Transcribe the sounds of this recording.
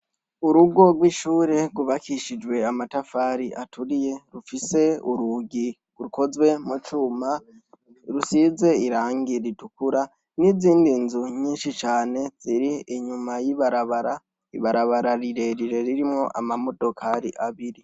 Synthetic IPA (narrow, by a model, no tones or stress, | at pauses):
uɾuɡo̞ɡwiːʃuːɾe̞ɡuβakʰiʃid͡ʒwe̞amatafaːɾiʔatʰuɾije̞ɾufise̞uɾuɡi | uɾuko̞zwe̞mut͡ʃuːma | ɾusize̞iɾaːŋɡiɾitukuɾa | niziːndinzuɲiːnʃit͡ʃaːne̞z̥iɾiiɲumajiβaɾaβaɾa | iβaɾaβaɾaɾiɾe̞ɾiɾe̞ɾiɾimŋo̞ʔamamo̞dokʰaɾḭʔaβiɾi